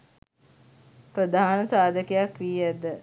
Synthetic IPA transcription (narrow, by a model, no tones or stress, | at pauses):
pɾəd̪aːɦnəsaːd̪əkejakʋiːæd̪ə